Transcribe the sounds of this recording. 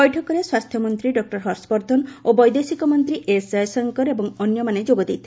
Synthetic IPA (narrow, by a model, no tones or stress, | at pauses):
ɔjʈʰɔkɔɾeswast̪ʰjɔmɔnt̪ɾiɖɔk̚ʈɔɾɦɔɾspɔɾd̪ʱɔnobɔjd̪esikɔmɔnt̪ɾiʔesajsɔŋkɔɾebɔŋɔnjɔmaned͡ʒoɡɔd̪it̪ʰi̥